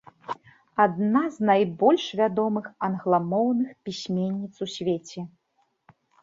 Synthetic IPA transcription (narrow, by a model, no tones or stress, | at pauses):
ad̪naznajbɔlʲʂvʲad̪ɔmɨxɐnɣlˠamɔwnɨxpʲisʲmʲenʲːit̪susʲvʲet͡sʲɛ